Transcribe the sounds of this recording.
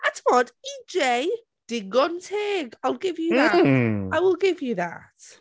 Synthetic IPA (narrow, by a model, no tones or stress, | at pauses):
atʰəmɔdid͡ʒej | d̥ɪɡɔntʰeːɡaɪlˠɡɪvjuðaawɪlˠɡɪvjuða̰t